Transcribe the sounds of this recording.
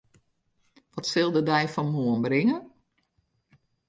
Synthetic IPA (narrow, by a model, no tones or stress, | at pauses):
ʋɔtsɪlˠdədɛjfɔnmuənbrɪŋən